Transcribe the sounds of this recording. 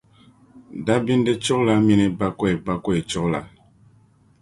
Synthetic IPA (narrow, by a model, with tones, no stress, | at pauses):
da˦bi˦n˦dɛ˦t͡ʃɔ˦kla˦mi˦ni˦ba˦kɔ˦e˨ba˦kɔ˦e˨t͡ʃɔ˦kla̰˨